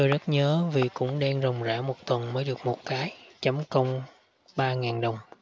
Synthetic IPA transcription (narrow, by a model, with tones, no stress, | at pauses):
t̪o˧jzə˦˥t̚ɲəː˨˦vi˨˩kʊ̰˧˥ŋ͡mɗaː˧ŋzə˨˩wŋ͡mza̰ː˧˩mo˨˩t̚t̪wə˨˩nməː˨˦jɗɨ˨˩ək̚mo˨˩t̚kaː˨˦jt͡ɕə˨˦mkə˧wŋ͡m | ɓaː˧ŋaː˨˩nɗə˨˩wŋ͡m